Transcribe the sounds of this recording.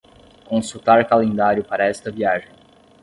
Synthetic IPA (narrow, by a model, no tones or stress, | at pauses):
kõsut̪aɾkalẽnd̪aɾjʊpaɾɐɛst̪ɐviaʒẽj̃